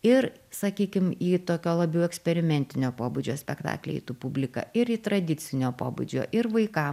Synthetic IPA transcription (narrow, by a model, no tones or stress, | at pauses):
ɪɾ | sɐkʲiːkʲɪmiːt̪oːkʲoːlˠɐbʲɛʊɛksʲpʲɛɾʲɪmʲɛnʲt̪ʲɪnʲoːpoːbud͡ʒʲoːsʲpʲɛkt̪ɑ̰ːklʲḛḭt̪upʊbʲlʲɪkɑ̰ɪɾiːt̪ɾɐd̪ʲɪt̪sʲɪnʲoːpo̰ːbṵd͡ʒʲo̰ːʔɪɾʋɐɪkɐ